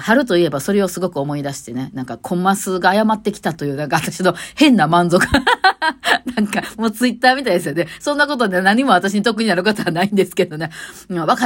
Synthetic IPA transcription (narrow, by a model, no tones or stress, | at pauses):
haɾɯ̟t̪o̞ie̞baso̞ɾe̞o̞sɨɡo̞kɯ̟o̞mo̞id̪aɕi̥t̪e̞ne̞nãŋkakʰõ̞mːasɨɡaːjamat̪ːe̞kʲi̥t̪at̪o̞jɯ̟ːnãŋkaβat̪aɕino̞hẽ̞nːamãnzo̞kɯ̟ | nãŋkamo̞ːt͡sɨit̪ːaːmʲit̪aijd̪esɨjone̞sõ̞nːak̬o̞t̪o̞nenaɲ̟imo̞at̪aɕiɲ̟it̪o̞kɯ̟ɲ̟inaɾɯ̟kat̪oβanaĩnd̪e̞sɨ̥ked̪o̞ne̞βaka